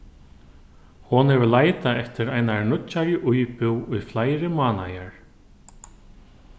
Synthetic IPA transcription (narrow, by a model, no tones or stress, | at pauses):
hɔnhɛvʏlaːjt̪aɛft̪ɪɾajnanʊtt͡ʃːaɾjɪʔujpʏwʊjflajɾɪmaːna̰jaɹ̥